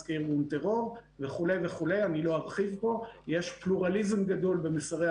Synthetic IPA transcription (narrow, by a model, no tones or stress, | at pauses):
kiʁunt̪eʁo̞ʁve̞χule̞jveχule̞janilo̞haʁχivpo̞jeʃpluʁalizemɡad̪o̞lbe̞misaʁe